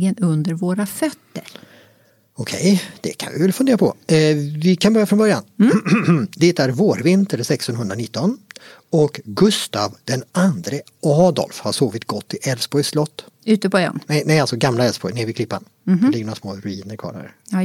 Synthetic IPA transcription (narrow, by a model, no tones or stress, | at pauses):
ɡənɵnd̪əɾvoːɾafœt̪ːəɾ | ɔkʰɛ̰jd̪̥ɛ̰kʰa̰nvɪ̰vɛlfɵnd̪eːɾapʰɔ̰vɪkʰanbœɾjafɾɔnbœɾjan | d̪ɛt̪æɾvoːɾvɪnt̪əɾsɛkst̪ɔnhɦɵnd̪ɾanɪt̪ːɔn | ɔkɡɵst̪avd̪̥ɛnand̪ɾə | ɑːd̪ɔ̰lfhaʂoːvɪt̪ɡɔt̪ʰːɪʔɛlsbɔjslɔt̪ːʉ̟ːt̪əpɔɛ̰nnɛnɛjalsɔɡamlaɛlsbɔjneːɾvɪklɪpːa̰n | d̪lɪɡəɳoːɾasmoːɾɵiːnəɾkʰɑ̰ːɾa̰ɾ̰